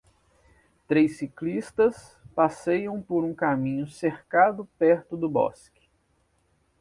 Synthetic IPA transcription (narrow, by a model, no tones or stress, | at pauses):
t̪ɾejsiklist̪ɐs | pasejɐ̃w̃poɾũkamĩɲʊseɾkad̪ʊpɛɾt̪ʊd̪ʊbɔ̰skɪ̥